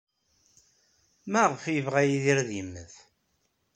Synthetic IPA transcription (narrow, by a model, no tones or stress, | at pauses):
mæʁəfjəvʁæjiðiɾðimːə̰θ